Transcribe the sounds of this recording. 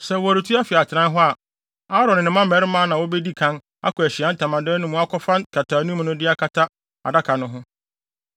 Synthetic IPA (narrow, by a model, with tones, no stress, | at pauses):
sɛ˨wɔ˨a˨ɾi˨tʰu˦a˦fɪ˨a˨t͡ɕʰɪ˨ɾã˦n˦ɦʊ˦a˨ | a˦ɾɔ˨nɪ̃˨nɪ̃˨˦mã˦m˨ɛ˨˦ɾɪ˦mãː˦nã˨wɔ˦bɛ˦di˦kʰã˦n | a̰˦kʰɔ˨æ˨ɕɪ˨a˦n̩˦tʰã˨mã˨dɛ˦nʊ̃˦mũ˦a˦kʰɔ˦fã˦nkʰa˨tʰaː˨nũ˦m˦nʊ̃˦dɪ˦a˦kʰa˦tʰa˦ | a̰˨da˦kʰa˨nʊ̃˦ɦʊ̃˦